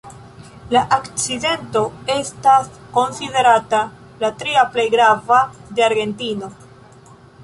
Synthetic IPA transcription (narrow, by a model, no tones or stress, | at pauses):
laʔakt͡side̞nto̞e̞stasko̞nside̞ɾata | latɾiaple̞jɡɾavade̞aɾɡe̞ntino̞